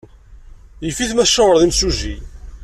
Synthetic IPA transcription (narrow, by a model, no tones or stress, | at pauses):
jəfiθmæθʃːəwəɾðˤimsuʒi